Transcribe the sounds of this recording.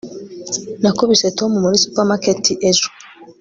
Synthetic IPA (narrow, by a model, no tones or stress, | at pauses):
nakoβisetomumuɾisu̥pamaketiʔezu̥